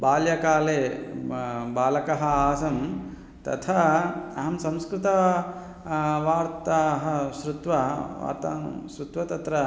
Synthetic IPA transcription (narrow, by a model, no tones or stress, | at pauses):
baːljɐkaːleː | baːlɐkɐɦɐaːsɐm | t̪ɐ̰t̪ʰɐɐɦɐmsɐ̃mskɾɪt̪ɐ | ʋaːɾt̪aɦɐʃɾut̪ʋɐʋa̰ːɾt̪a̰ʃɾut̪ʋɐt̪ɐt̪ɾɐ